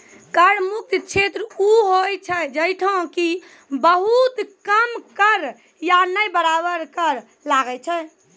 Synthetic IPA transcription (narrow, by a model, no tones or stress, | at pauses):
kəɾmuk̚t̪t͡ʃʰet̪ɾuɦojt͡ʃʰɛd͡ʒəjʈʰõki | bəɦut̪kəmkəɾ | janəjbəɾabəɾkəɾ | laɡɛt͡ʃʰɛ